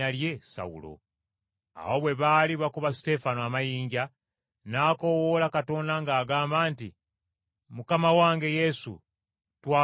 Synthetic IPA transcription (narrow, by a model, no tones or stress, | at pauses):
alje̞sa̰wṵlo̞̰ | a̰wo̞βwe̞βaːliβakuβasi̥te̞fanoamajiːɲɟa | naːko̞woːlakato̞ːndaŋɡaːɡaːmbaːntḭ | mukamawaːŋɡe̞je̞sṵ | twaː